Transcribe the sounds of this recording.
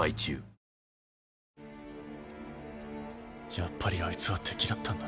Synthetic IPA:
ait͡ɕɨ̰ː | japːaɾʲiait͡sɨβat̪ʰːekʲiɾat̪ːãnd̪a

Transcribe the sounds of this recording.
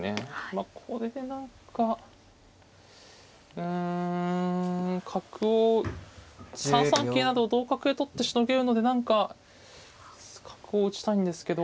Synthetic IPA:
nemakʰo̞ɾe̞d̪e̞nãŋka | ɯ̟̃ | kʰakɯ̟o | sãɰsãŋke̞ːnad̪o̞ːd̪o̞ːkakɯ̟et̪ot̪ːe̞ɕino̞ɡe̞ɾɯ̟no̞d̪e̞nãŋka | kʰḁkɯ̟o̞ɯ̟t͡ɕi̥t̪aĩnd̪e̞sɨ̥ke̞d̪o

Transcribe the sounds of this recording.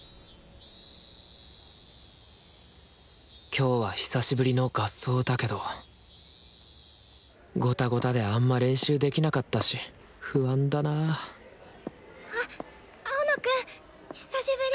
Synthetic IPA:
kʲʰo̞ːβaçi̥saɕibɯ̟ɾʲino̞ɡasːo̞ːd̪ake̞d̪o̞ | ɡo̞t̪aɡo̞t̪ad̪e̞amːaɾẽ̞ɰ̃ɕɨːd̪e̞kʲinakat̪ːaɕi | hɯ̟βãnd̪ana | a | aonokɯ | çi̥saɕibɯ̟ɾʲi

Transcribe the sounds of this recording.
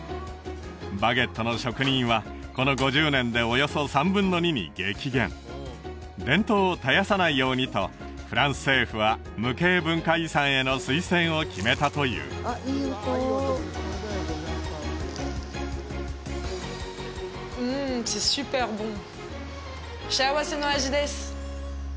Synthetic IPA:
baɡe̞t̪ːo̞no̞ɕo̞kɯ̟ɲ̟ĩɰ̃βa | ko̞no̞ɡo̞ʑɨːnẽ̞nd̪e̞ojo̞so̞sãmbɯ̟̃nːo̞ɲ̟imʲḭɡe̞ːkʲiɡẽ̞n | d̪ẽ̞nt̪o̞ːt̪ajasanaijo̞ːɲ̟it̪o̞̰ | ɸɯ̟ɾãɰ̃sɨ̥se̞ːɸɯ̟βa | mɯ̟ke̞ːbɯ̟̃ŋkaisãɰ̃e̞no̞sɨisẽ̞ɰ̃o̞kʲime̞t̪at̪o̞jɯ̰ː | sɛsypɛʁbɔ̃ | ʃɛwasenɔ̃aʒid̪ɛs

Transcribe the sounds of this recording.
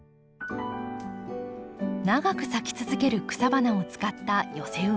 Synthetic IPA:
naɡakɯ̟sakʲi̥t͡sɨzɨke̞ɾɯ̟kɯ̟̥sabanao̞t͡sɨ̥kat̪ːajo̞se̞ɯ

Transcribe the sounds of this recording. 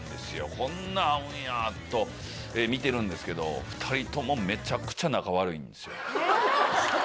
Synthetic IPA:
d̪e̞sɨjo̞̰kʰõ̞nːaːɯ̃jat̪ːo̞ | eːmʲit̪e̞ɾɯ̟̃nd̪e̞sɨ̥ke̞d̪o̞̰ɸɯ̟̥t̪ʰaɾʲit̪o̞mo̞me̞t͡ɕakɯ̟̥t͡ɕanakaβaɾɯ̟ḭ̃nd̪e̞sɨjo̰

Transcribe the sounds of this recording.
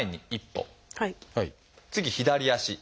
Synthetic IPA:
eɲ̟ːiipːo̰haihaḭ | t͡sɨɡʲiçid̪aɾʲijaɕi

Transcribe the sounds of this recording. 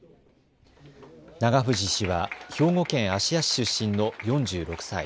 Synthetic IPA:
naɡaɸɯ̟ʑiɕiβaço̞ːŋo̞kẽ̞ɰ̃aɕiaɕi̥ɕɨɕːĩno̞jõ̞ɲd͡ʑɨːɾo̞kɯ̥saḭ

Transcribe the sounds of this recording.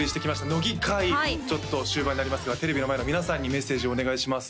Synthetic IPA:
ɾʲiɕi̥t̪e̞kʲimaɕi̥t̪ano̞ɡʲikait͡ɕo̞t̪ːo̞ɕɨːbaɲ̟inaɾʲimasɨɡat̪e̞ɾe̞bʲino̞mae̞no̞mʲinasãɲ̟ːime̞sːeːʑio̞ːne̞ɡaiɕimasɨ̥

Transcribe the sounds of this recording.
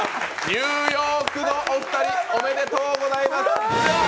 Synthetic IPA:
ɲʲɨːjo̞ːkɯ̟no̞ʔoɸɯ̥t̪aɾʲiome̞ne̞t̪o̞ːɡo̞zaimasɨ̥

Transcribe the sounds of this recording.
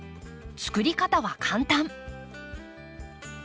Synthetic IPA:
t͡sɨ̥kɯ̟ɾʲikat̪aβakʰãnt̪ãɴ

